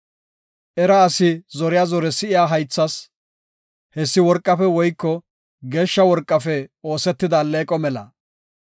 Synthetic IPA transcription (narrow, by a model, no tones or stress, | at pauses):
ʔɛɾɐːsɪzɔɾɪjazɔɾɛsɪɪjaːɦɐjt͡sːɐs | hɛsːɪwɔɾkʼːɐfɛwɔjkːɔ | ɡe̞ːʃːɐwɔɾkʼːɐfɛo̞ːsɛt̪ːɪd̪aːleːkʼɔmɛlɐ̰